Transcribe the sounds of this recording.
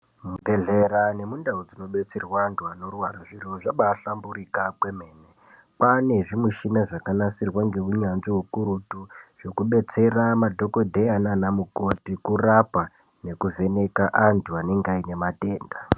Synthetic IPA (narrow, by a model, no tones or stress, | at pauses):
mubʱe̞ɮeɾane̞mundaud͡zino̞ɓe̞t͡serwandʱuano̞rwaɾaʐiro̞ʐaɓaːɬambuɾikakwe̞me̞ːne | pane̞ʐimuʃinaʐakanasirwaŋɡe̞uɲanʐiwukuɾutuʐ̥okuɓe̞t͡se̞ramadʱo̞ko̞dʱeananamuko̞tikurapa | ne̞kuve̞ne̞kaʔantuane̞ŋɡaine̞mate̞ːnda